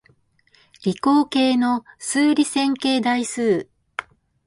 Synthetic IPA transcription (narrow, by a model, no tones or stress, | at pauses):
ɾʲikoːke̞ːno̞sɨːɾʲisẽ̞ŋke̞ːd̪aisɨː